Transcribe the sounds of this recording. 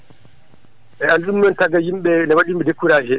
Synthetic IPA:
ʔɛanɗumnɔntaɡajimɓɛlawaɗimɓɛdekːuɾad͡ʒɛ

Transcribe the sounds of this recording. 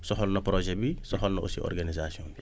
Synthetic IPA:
sɔɦɔlnɐpɾɔʒɛbisɔxɔlnɐʔṵsiɔ̰rɡanizasiɔ̃ni

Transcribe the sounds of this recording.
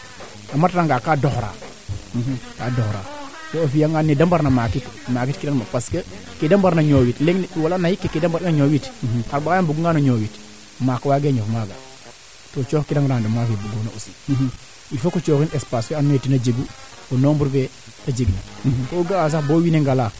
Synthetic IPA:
amatɾaŋɡakadoxɾa̰ː | kadoxɾa̰ːtoofijaŋɡanidambaɾnamakitmak̬itkidanmapaskəkidambaɾnaɲoːwitleŋwalanahikːekidambaɾinaɲoːwitkaɾbakajanbuɡuŋɡanoɲoːwit | makwaɡeɲofmaɡa̰ | tot͡ʃoːkkidaŋɡɾandomafebuɡunausi | ifokot͡ʃoxinespaːsweanmetinad͡ʒeɡu | onoːmbuɾve | ad͡ʒeɡnakoːɡaas̬axboːwineŋɡala

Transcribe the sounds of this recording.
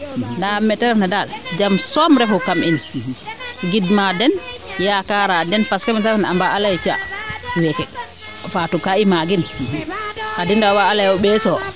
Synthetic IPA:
ndamɛtɛɾɛfnadald͡ʒamsɔmɾɛfɔkamin | ɡidmadɛnjakaɾadɛnfaskamɛtɾnambaʔalajt͡ʃa̰wɛkɛ | fatukaimaɡin | hadindawaːlajɔɓɛsɔ

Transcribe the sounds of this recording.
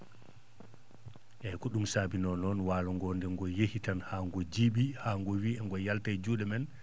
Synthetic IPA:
ʔɛkuɗumsaːbinɔnɔnwaːlɔŋɡɔndɛŋɡɔjehitanhaːŋɡɔd͡ʒiɓihaːŋɡɔwiːɛŋɡɔjaltajd͡ʒuːɗɛmɛn

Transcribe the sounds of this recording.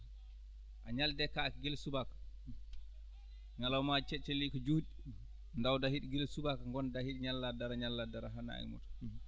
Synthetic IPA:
ʔaɲaldɛkakɡelsubakḁ | ŋalawmat͡ʃɛt͡ʃɛlikɔd͡ʒuhɗi | ndawdahiɗiɡelsubakaŋɡɔndahiɗɲalːadaɾaɲalːadaɾaɦana̰ḭmṵtɔ̥

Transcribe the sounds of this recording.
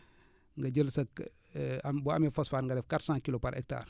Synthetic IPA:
ŋɡɐɟəlsɐk | ambuamɛfosfaːɾŋɡadɛfkatsãːŋkilopaɾʔɛ̰k̚ta̰ːr

